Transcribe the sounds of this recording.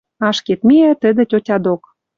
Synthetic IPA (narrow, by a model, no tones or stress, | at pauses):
ɑʃket̪meæt̪ə̆d̪ĕtʲotʲɑd̪ok